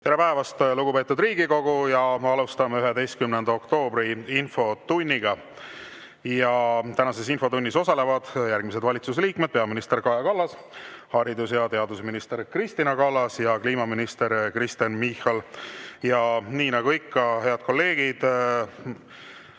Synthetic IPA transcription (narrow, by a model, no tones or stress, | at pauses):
t̪e̞ɾepæevɑst̪luɡ̥upe̞ːt̪ːˑud̪riːɡiko̞ɡ̥ujɑɑlust̪ɑmeyɦed̪e̞jst̪kymnend̪ɑo̞kt̪o̞ːbɾiinfo̞t̪unʲːiɡ̥ɑ | jɑt̪ænɑse̞sinfo̞t̪unʲːiso̞sɑle̞vɑd̪̥jærɡ̥mis̬e̞d̪vɑlʲit̪suseliːkme̞d̪̚peɑminist̪e̞rkɑjɑkɑlːɑs | hɑɾid̪usjɑt̪e̞ɑd̪usminist̪e̞ɾkrist̪inɑkɑlːɑsjɑkliːmɑminist̪e̞ɾkɾist̪enmihɑljɑniːnɑɡ̥uikːɑɦe̞ɑd̪̚ko̞lːe̞ːɡ̥id̪̥